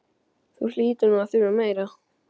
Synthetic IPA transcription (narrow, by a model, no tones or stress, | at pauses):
θusliːt̪ʏnuaθʏɾameːjɾa